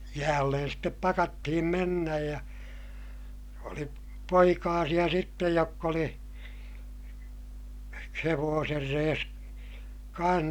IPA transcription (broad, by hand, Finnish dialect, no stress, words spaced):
jæːlːen step pɑkɑtːihim menːæj jɑ oli poikɑːsij̆ɑ sitːej jokː oli heʋoːser reːs kɑ̃ːh